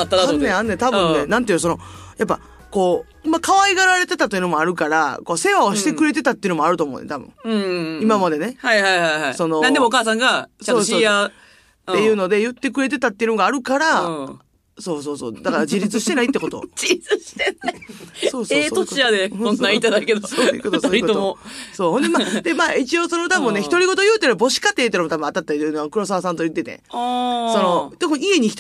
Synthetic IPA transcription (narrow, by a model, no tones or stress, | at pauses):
at̪ːaɾaneannet̪abɯ̃nnːe̞nãnt̪eosono̞jap̬ːa̰ | ko̞ː | imakaβaiɡaɾaɾe̞t̪e̞t̪at̪ojɯ̟nomoaɾɯ̟kaɾa̰ko̞ːse̞βaoɕit̪e̞kɯ̟ɾe̞t̪̬e̞t̪at̪ːeɯnmoaɾɯ̟t̪omo̰nḛt̪abɯ̰̃ŋ̃imamad̪e̞ne̞haihaihajhaiso̞nonãnd̪emookaːsãŋɡasaoːoa | t̪e̞jɯ̟ːno̞d̪e̞jɯ̟t̪ːe̞kɯ̟ɾe̞t̪̬e̞t̪at̪ːeiɯ̟noɡaːɾɯ̟kaɾa | so̞ːso̞ːso̰ːd̪akaɾad͡ʑiɾʲit͡sɨɕi̥t̪e̞nait̪ːeko̞t̪o̰d͡ʑiɾʲit͡sɨɕi̥t̪enasoːseːt̪ot͡ɕiad̪ẽõnait̪ːad̪aked̪osoːjɯ̰kot̪osoikooosoːɦond̪emad̪e̞maːit͡ɕio̞sono̞t̪abɯ̟nneçi̥t̪o̞ɾʲiɡo̞t̪o̞jɯ̟ːt̪ːenbo̞ɕi̥kat̪ːeːt̪ːenomt̪abɯ̟̃at̪at̪ːa̟noakɯ̟ɾo̞sasãnt̪ojɯ̟t̪ːe̞t̪ḛoso̞no̞t̪okɯ̃ie̞ɲ̟iç̥t